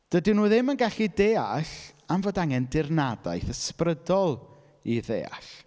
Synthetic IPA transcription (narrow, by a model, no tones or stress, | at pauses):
d̥ədinuːðɪmənɡaɬideːaɬamvoːdaŋɛndɪrnada̰jθəsprədɔlˠ | iðḛːa̰ɬ